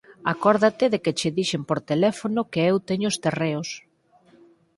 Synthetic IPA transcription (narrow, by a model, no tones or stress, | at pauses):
akɔɾðat̪ɪðekɪt͡ʃɪðiʃempoɾt̪elɛfonʊkeewt̪eɲʊʊst̪ereos